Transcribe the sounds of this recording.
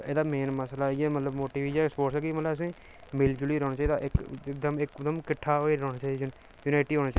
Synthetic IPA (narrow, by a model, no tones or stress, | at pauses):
ḛːd̪aːmeːnməslaːãːmət̪ləbmoːʈiːʋiːd͡ʒaspoːʈsːɡiːmət̪ləbəs̬ẽː | mɪld͡ʒʊliːɾɔːnaːt͡ʃaːiːd̪a̰ːʔɪkɪkd̪əmɪkd̪əmkɪʈʰːaːoːeːɾɔːnaːt͡ʃaːi | juːnaːɪʈiːɦoːnaːt͡ʃː